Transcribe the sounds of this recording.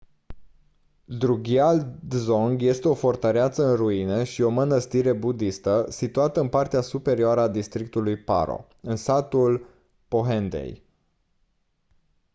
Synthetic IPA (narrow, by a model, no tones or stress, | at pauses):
d̪ɾuɡʲiald̪zo̞ŋɡje̞st̪eo̞fort̪əɾeat̪səɨnruineʃio̞mənəst̪iɾe̞bud̪ist̪əsit̪uat̪əɨnpart̪easupe̞ɾioaɾəad̪ist̪ɾik̚t̪ulujpa̰ɾo̞̰ | ɨnsat̪ul | po̞ɦend̪ḛj